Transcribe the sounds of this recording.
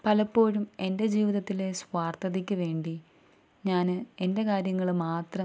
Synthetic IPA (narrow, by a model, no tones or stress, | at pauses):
pɐlɐpːo̞ːɻume̞nde̞d͡ʑiːʋiðɐt̪ːile̞sʋaːrt̪ʰɐðikʲːɨʋe̞ːɳɖi | ɲaːnɨe̞nde̞kaːɾjɐŋːɐɭɨmaːt̪rɐ